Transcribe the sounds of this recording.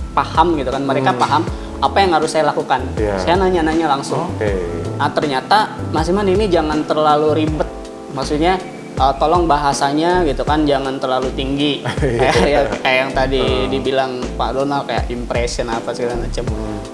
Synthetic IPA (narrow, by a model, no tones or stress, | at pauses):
pahamɡit̪ukanməɾekapaɦam | apajaŋhaɾʊsːajalakukansajanaɲanaɲalaŋsʊŋ | ət̪ərɲat̪amasimaninid͡ʒaŋant̪ərlaluɾibət̪̚ | maksuɲa | ʔət̪olɔŋbaɦasaɲaɡit̪ukand͡ʒaŋant̪ərlalut̪iŋɡikajajakajajaŋt̪adidibilaŋpadonalkaja̰ʔimpɾesiənapasɡilamat͡ʃəm